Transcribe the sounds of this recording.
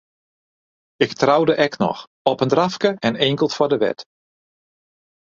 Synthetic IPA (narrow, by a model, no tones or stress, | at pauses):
ɪktrawdəʔɛknɔ̰x | ɔpəndrafkəʔɛneŋkəlˠtfɔdəʋɛ̰t